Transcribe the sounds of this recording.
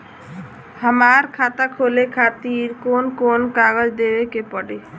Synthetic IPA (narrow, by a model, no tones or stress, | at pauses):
həmaɾkʰat̪akʰolekʰat̪iɾkonkonkaɡəd͡ʒd̪ebekepɔɽe